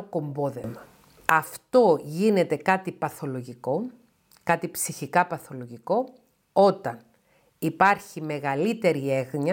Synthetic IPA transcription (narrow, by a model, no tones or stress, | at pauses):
oko̞mbo̞ðe̞mɐ | ɐft̪o̞ʝine̞t̪e̞kɐt̪ipɐθo̞lo̞ʝiko̞ | kɐt̪ipsiçikɐpɐθo̞lo̞ʝiko̞ | o̞t̪ɐn | ipɐɾçime̞ɣɐlit̪e̞ɾie̞ɣɲɐ